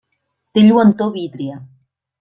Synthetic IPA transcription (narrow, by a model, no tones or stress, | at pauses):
t̪eʎwant̪oβit̪ɾia